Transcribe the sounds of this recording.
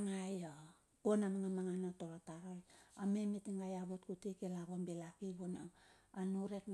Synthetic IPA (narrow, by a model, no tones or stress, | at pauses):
ŋaja | konamaŋamaŋanotoɾataɾojamemitiŋajaβotkutikelaβombilakibunaanuɾekn